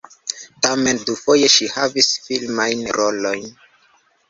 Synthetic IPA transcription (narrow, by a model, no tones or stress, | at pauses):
tame̞ndufo̞je̞ʃihavisfilmajnɾʔo̞lo̞jn